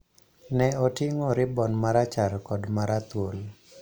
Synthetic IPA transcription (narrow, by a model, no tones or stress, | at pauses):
nɛɔtiŋɔɾɪbɔnmaɾat͡ʃarkɔdmaɾat̪wol